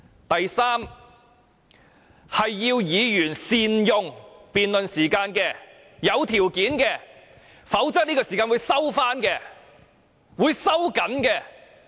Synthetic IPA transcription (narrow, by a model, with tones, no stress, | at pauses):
t̪ɐ˨jsaː˥m | hɐ˨jːiː˧wjiː˨˧jyː˨˩nsiː˨˧njʊ˧ŋpiː˨nlɵ˨nsiː˨˩kaː˧nkɛː˧ | jɐ˨˧wt̪ʰiː˨˩wkiː˨˥nkɛ˧ | fɐ˨˥wt͡sɐ˥k̚niː˥kɔː˧siː˨kaː˧nwu˨˧jsɐ˥wfaː˥nkɛː˧ | wuː˨˧jsɐ˥wkɐ˨˥nkɛː˧